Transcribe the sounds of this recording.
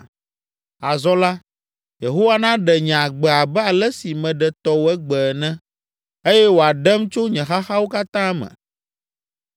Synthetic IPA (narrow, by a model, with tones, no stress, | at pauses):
a˨zɔ˦la˦ | je˨ɦo˦wa˦nã˦ɖɛ˨ɲ̃˨ɡ͡bɛ˨a˨bɛ˦a˨lɛ˦si˨mɛ̃˨ɖɛ˨t̪ɔ˦wo˨ɛ˦ɡ͡bɛ˨nɛ̃˦ | e˦jɛ˦wo˨a˨ɖɛ˦mt͡ʃo˦ɲɛ̃˨xa˦xa˦wo˦ka˦t̪ã˦mɛ̰̃˨